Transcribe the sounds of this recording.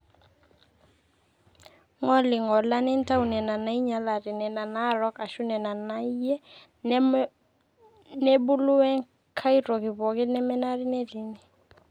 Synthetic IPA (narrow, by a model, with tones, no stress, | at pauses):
ŋɔ˦lɪ˨ŋɔ˨la˦nɛ˦n˦ta˦u˨nɛ˨na˨na˨˦i˦ɲa˨˦la˨ɾɪ˨nɛ˨na˨na˦ɾɔ˦ka˨ʃʊ˦nɛ˨na˨na˨˦i˦jɛ˦ | nɛ˦bʊ˦lʊ˦wɛ˦ŋ | kʰa˦i˦ɾɔ˨kɪ˨βɔ˨kɪ˦nɛ˦mɛ˦na˦ɾɪ˦nɛ˦ɾi˨˦ni˨